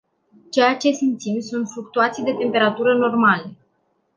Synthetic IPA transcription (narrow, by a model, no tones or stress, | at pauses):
t͡ʃe̞jat͡ʃe̞simt̪simsunt̪fluk̚t̪uat̪sijd̪e̞t̪e̞mpe̞ɾat̪uɾəno̞rmale̞